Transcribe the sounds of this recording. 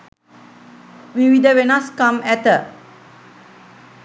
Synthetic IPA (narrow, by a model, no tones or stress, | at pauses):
wiwidəwenaskãmɛtə